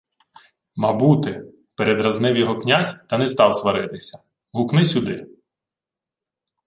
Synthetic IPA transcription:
mɐbut̪ɪ | peɾed̪ɾɐznɪwjɔɦɔknʲazʲt̪ɐnɛst̪ɑwsʋɐɾɪt̪ɪsʲɐ̥ | ɦʊknɪsʲud̪ɪ

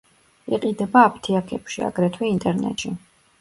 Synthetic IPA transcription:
iqʼid̪ɛbaːpʰt̪ʰiakʰɛpʃia̰ɡɾɛt̪ʰwɛint̪ʼɛɾnɛ̰t̪ʃi

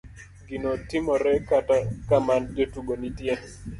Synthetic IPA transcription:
ɡinotimɔɾɛkatakamandetuɡonitje

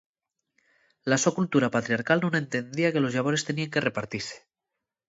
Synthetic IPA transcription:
laso̞kult̪uɾapat̪ɾiaɾkalnũnẽ̞nt̪e̞nd̪iake̞lo̞zʎaβ̞o̞ɾest̪e̞niaŋkere̞paɾt̪ise̥

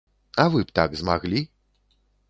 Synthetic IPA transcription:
ɐvɨpt̪a̰ɡzmaɣlʲi

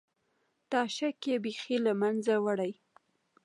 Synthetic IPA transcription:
t̪ɑʃakebexilamanzawaɽaj

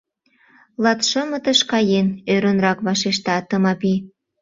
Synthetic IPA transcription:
lɑt̪ʃəmət̪əʃkɑjenøɾə̆nrɑkβɑʃeʃ̬t̪ɑt̪əmɑpi

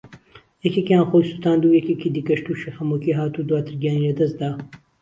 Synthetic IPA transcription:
jɛkekjaːnxojsut̪aːnd̪uːjɛkʲekid̪iːkɐʃt̪uʃihɐmukiɦaːt̪ud̪waːt̪ʰɨɾɡijaːnilɐd̪ɐs̚d̪aː

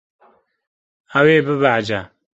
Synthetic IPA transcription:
awebɨbad͡ʒa

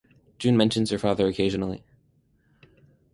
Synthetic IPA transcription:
d̥ʒ̥ʉ̃nmɛ̃nʃɨ̃n̩z̥ə˞fɑðə˞ɨkʰeɪʒɨnl̩ˠḭ

